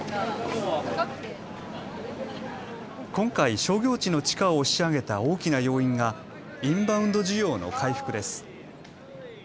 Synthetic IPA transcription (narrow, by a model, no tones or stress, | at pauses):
kõ̞ŋkaiɕo̞ːɡʲo̞ːt͡ɕino̞t͡ɕi̥kaoːɕiaɡe̞t̪ao̞ːkʲinajo̞ːĩŋɡa | ĩmbaɯ̟̃nd̪o̞ʑiɡʲo̞ːno̞̰kʰaiɸɯ̟̥kɯ̟d̪e̞sɨ̥